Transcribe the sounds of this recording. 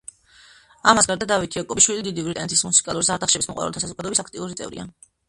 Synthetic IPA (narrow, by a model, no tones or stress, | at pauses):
amasɡaɾd̪ad̪avit̪ʰijakʼɔbiʃwilid̪id̪ivɾit̪ʼa̰nɛt̪ʰismusi̥kʼalˠuɾisaɾt̪ʰaχʃɛbismɔwa̰ɾɛlˠt̪ʰasazɔɡad̪ɔɛbisakʰt̪ʼiuɾit̪sʼɛ̰vɾḭa̰